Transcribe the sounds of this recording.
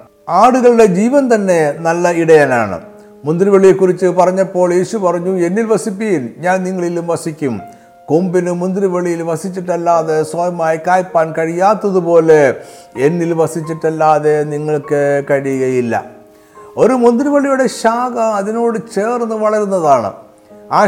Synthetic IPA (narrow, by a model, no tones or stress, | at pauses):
aːɽuɣɐɭɽe̞d͡ʑiːʋɐnt̪ɐnːe̞nɐlːɐiɽɐjana̰ːɳɨ̰ | mund̪riʋɐɭijekːurit͡ɕːɨpɐrɐɲːɐpːo̞ːɭje̞ːɕupɐrɐɲːue̞nːilʋɐsipːijimɲaːnniŋːɐɭilumʋɐsikʲːum | kombinɨmund̪riʋɐɭijilʋɐsit͡ɕːiʈːɐlːaːðe̞swɐjɐmaːjikaːjpːaːnkɐɻijːaːt̪ːɐðupo̞ːle̞enːilʋɐsit͡ɕːiʈːɐlːaːðe̞niŋːɐɭkːɨkɐɻijuɣɐjilːɐ̰ | o̞ɾumund̪riʋɐɭijuɽe̞ɕaːɡɐɐðino̞ːɽɨt͡ɕe̞ːrnːɨʋɐɭɐɾunːɐðaːɳɨ̰ | aː